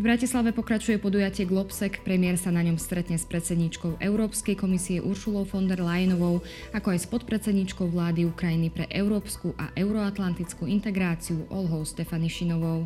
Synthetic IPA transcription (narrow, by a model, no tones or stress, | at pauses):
vbɾacislaʋɛpɔkɾat͡ʃujɛpɔd̪ujacɪɛɡlɔpsɛkpɾɛmɪɛɾsanaɲɔmst̪ɾɛt̪ɲɛspɾɛt̪t͡sɛd̪ɲit͡ʃkɔʊʔɛʊɾɔːpskɛjkɔmisiɛʔuɾʃulɔʊfɔnd̪ɛɾlajɛnɔʋɔʊ | akɔajspɔt̪̚pɾɛt̪t͡sɛd̪ɲit͡ʃkɔʊʋlaːd̪iukɾajinipɾɛ̰ʔɛʊɾɔːpskuʔa̰ʔɛʊɾɔat̪lant̪it͡skuːint̪ɛɡɾaːt͡siuʔɔlɦɔʊʃt̪ɛfaniʃinɔʋɔʊ